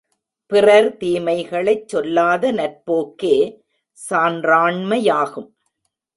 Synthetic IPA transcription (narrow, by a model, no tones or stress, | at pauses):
pɪrɐɾt̪iːmɐɪɣɐɭɐɪt͡ʃːɔlːaːðɐnɐɾpoːkeː | saːndraːɳmɐjaːɣɯm